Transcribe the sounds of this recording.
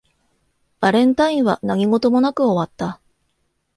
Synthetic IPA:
b̥aɾẽ̞nt̪aĩɰ̃βanaɡʲiŋo̞t̪o̞mo̞nakɯ̟o̞βat̪ːa

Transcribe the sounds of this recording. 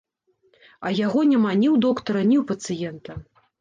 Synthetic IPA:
ɐjaɣɔnʲamanʲiwd̪ɔkt̪ɐɾɐnʲiwpɐt̪sɨjɛnt̪ɐ

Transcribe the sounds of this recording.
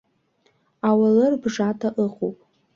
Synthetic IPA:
awalɨrbʐatʰaʔəqʼowpʼ

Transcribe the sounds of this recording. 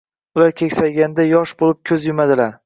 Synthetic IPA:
ʊlaɾkʲʰekʲsajɡʲand̪ajɒʃbolɪp̚kʲʰɵzjɪmad̪ɪlaɾ

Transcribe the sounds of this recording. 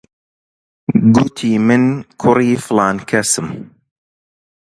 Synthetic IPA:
ɡut̪ʰiːmɨnkʰʊɾiːflɑːnkʰɐsɨm

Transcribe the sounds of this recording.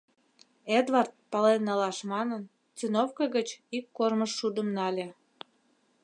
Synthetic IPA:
ed̪vɑrt̪̚pɑlenːɑlɑʃmɑnən | t͡synofkəɣət͡ɕikːorməʃːud̪əmnɑlʲe

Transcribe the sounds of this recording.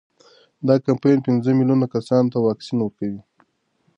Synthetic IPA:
d̪ɑkampejnpɪnzəmilunakasɑnt̪awɑksinwəɾkawi

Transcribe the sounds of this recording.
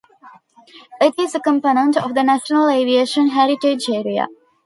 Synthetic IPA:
ɪʈizəkə̃mponə̃ɳʈɔʋd̪ənæʃənəleːʋieːʃə̃nɦæɾiʈed͡ʒeːɾia̰

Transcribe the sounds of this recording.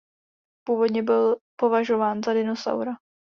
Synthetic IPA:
puːvo̞dɲɛbɪlpo̞vaʒo̞vaːnzadɪnosa̰wɾa

